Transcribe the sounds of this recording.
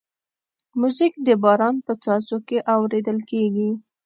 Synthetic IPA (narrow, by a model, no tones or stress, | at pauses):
muzikd̪əbɑɾɑnpət͡sɑzokeʔawɾed̪əlkeɡi